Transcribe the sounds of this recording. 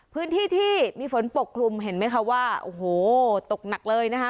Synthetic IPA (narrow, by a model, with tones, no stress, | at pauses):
pʰɯː˦˥nt̪ʰiː˥˩t̪ʰiː˥˩miː˧fo˩˦npo˨˩kʰlu˧mɦe˩˦nma˦˥jkʰa˦˥waː˥˩ʔo̰˧˩hoː˨˩t̪o˨˩k̚na˨˩k̚lɤː˧jna˦˥kʰa˦˥